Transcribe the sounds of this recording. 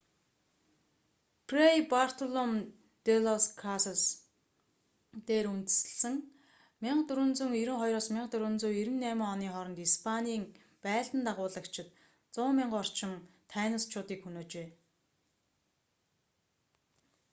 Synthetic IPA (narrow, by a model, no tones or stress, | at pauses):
pʰrejpar̥t̪ʰɔɮɔm | t̪elɔskʰasɔs | t̪eːɾunt̪ɘ̆sɘ̥̆ɮsɘ̆ŋ | mɪɴɢt̪ɵɾŭnt͡sɵ̆ŋiɾɘ̆ŋχɔjɾɔːsmɪɴqt̪ɵɾŭnt͡suːiɾɘ̆nːæːmɪ̆ŋɔniːχɔɾɞ̆nt̪ispʰaniːŋ | pæːɮt̪ə̆nt̪aʁʊːɮə̆kt͡ɕʰɪ̆t̪ | t͡sʊːmɪɴɢɔr̥t͡ɕɪ̆mt̪ʰæːnə̆st͡ɕʰʊːt̪iːkxɵnoːt͡ɕeː